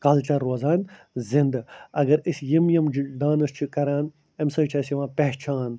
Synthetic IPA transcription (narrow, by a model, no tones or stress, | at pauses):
kɐlt͡ʃɐɾːoːzaːn | zind̪ɐɡɐɾisʲjimjɐmɖãːnɨst͡ʃʰikɐɾaːn | emsɐːt͡ʃʰɐsjiʋãːpeht͡ʃʰaːn